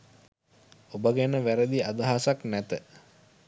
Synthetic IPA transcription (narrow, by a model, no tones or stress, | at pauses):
obəɡænəʋæɾəd̪iad̪aɦasaknæt̪ə